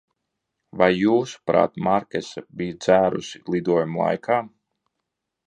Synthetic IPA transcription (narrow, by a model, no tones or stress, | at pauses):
vajːuːsu̥pɾa̰ːt̪maɾkʲɛsabijd̪zæːɾusilˠid̪uɔjumlˠa̰jkʰaː